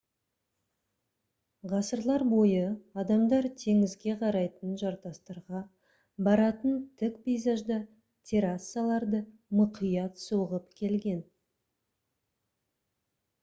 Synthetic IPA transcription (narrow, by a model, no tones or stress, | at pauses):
ʁɑsəɾlˠɑɾbo̞jəɑd̪ɑmd̪ɑɾt̪ʰe̞ŋɪzɡʲe̞qʰɑɾɑjt̪ənʒɑɾt̪ɑst̪ɑɾʁɑ | bɑɾɑt̪ənt̪ʰɪkpejzaʒd̪ə | t̪ʲʰe̞ɾasːalˠɑɾd̪əmʊqʰijɑt̪soʁəpkʲʰe̞lɡʲe̞n